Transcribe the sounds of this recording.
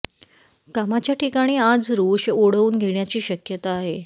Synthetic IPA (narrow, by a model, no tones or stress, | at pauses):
kamat͡ɕjaʈʰikaɽ̃iːad͡zɾoːɕoɽ̤əuːnɡʱeɳjat͡ɕiːɕəkjət̪aːɦe